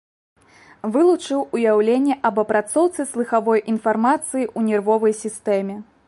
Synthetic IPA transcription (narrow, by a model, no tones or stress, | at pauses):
vɨlˠut͡ʂɨwujawlʲenʲːɛʔɐbɐpɾat̪sɔwt̪sɨslˠɨxavɔjʔinfarmat̪sɨjiʔunʲɛrvɔvɐjsʲist̪ɛmʲɛ